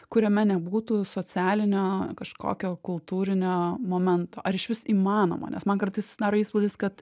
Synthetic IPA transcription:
kʊɾʲɛmʲɛnʲɛbuːt̪uːsoːt͡sʲæːlʲɪnʲoːkɐʃko̰ːkʲoːkʊlˠt̪uːɾʲɪnʲoːmoːmʲɛnt̪o̰ːʔɐɾɪʃʲʋʲɪsiːmɑːno̰ːmo̰nʲɛ̰smɐnkɐɾt̪ɐɪsʊ̥sʲɪd̪ɑːɾoːiːspʊlʲɪskɐt̪

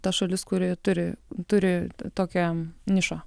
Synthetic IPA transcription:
t̪ɐʃɐlʲɪskʊɾʲɪt̪ʊɾʲɪt̪ʊɾʲɪt̪oːkʲɛnʲɪʃɑ

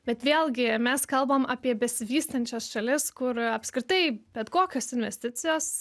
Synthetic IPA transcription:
bʲɛt̪ʋʲeːlˠɡʲɪmʲɛskɐlˠboːmɑːpʲiɛbʲɛsʲɪʋʲiːst̪ɐnʲt͡ʃʲosʃɐlʲɪskʊɾɐpskɾʲɪt̪ɐɪbʲɛt̪koːkʲoːsɪnʲʋʲɛsʲt̪ʲɪt̪sʲɪjoːs

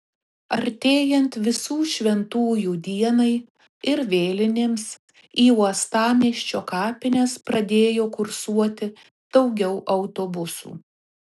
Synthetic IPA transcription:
ɐɾʲt̪ʲeːjɛnt̪ʋʲɪsuːʃʲʋʲɛnt̪uːjuːd̪ʲiɛnɐɪ | ɪɾʋʲeːlʲɪnʲeːms | iːuɔst̪ɑːmʲiːʃʲt͡ʃʲoːkɑːpʲɪnʲɛspɾɐd̪ʲeːjoːkʊɾsuɔt̪ʲɪ | d̪̥ɐʊɡʲɛʊʔɐʊt̪oːbʊsṵː

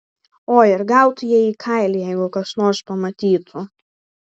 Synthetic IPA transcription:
oːɪɾɡɑˑʊt̪jiɛiːkʰɐɪlʲijɛɪɡʊkɐʃnoːɾspɐmɐt̪ʲiːt̪ʰʊ

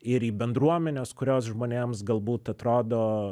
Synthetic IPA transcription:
ɪɾiːbʲɛnd̪ɾuɔmʲɛnʲoːskʊɾʲoːs̬ʒmoːnʲeːmsɡɐlˠbuːt̪ɐt̪ɾoːd̪oː

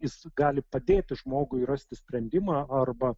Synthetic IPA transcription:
jɪsɡɑːlʲɪpɐd̪ʲeːt̪ʲɪʒmoːɡʊɪrɐsʲt̪ʲɪsʲpʲɾʲɛnʲd̪ʲɪmɑːɐrbɐ

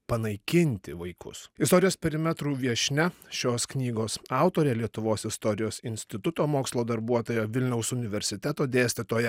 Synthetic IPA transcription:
pɐnɐɪkʲɪnʲt̪ʲɪʋɐɪkʊ̰sɪst̪ɔːɾʲɪjoːspʲɛɾʲɪmʲɛt̪ɾuːʋʲiɛʃʲnʲɛʃʲoːsknʲiːɡoːsɑˑʊt̪oːɾʲɛlʲiɛt̪ʊʋoːsɪst̪ɔɾʲɪjoːsɪnʲsʲt̪ʲɪt̪ʊt̪oːmoːkslˠoːd̪ɐɾbuɔt̪oːjoːʋʲɪlʲnʲɛʊsʊnʲɪʋʲɛɾʲsʲɪt̪ʲɛt̪oːd̪ʲeːsʲt̪ʲɪt̪oːjɛ

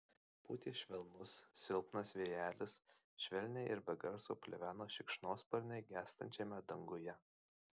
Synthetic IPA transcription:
puːt̪ʲiːʃʲʋʲɛlˠnʊsːʲɪlˠpnɐsʋʲeːjæːlʲɪs | ʃʲʋʲɛlʲnʲɛɪʔɪɾbʲɛɡɐɾso̰ːpʲlʲɛ̰ʋʲæːnoːʃʲɪkʃnoːspɐɾʲnʲɛɪɡʲæːst̪ɐ̰nʲt͡ʃʲeːmʲɛd̪ɐŋɡʊjɛ

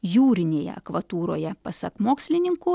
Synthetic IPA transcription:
juːɾʲɪnʲeːjɛ̰ɐ̰kʋɐt̪uːɾoːjɛpɐsɐkmoːksʲlʲɪnʲɪŋkuː

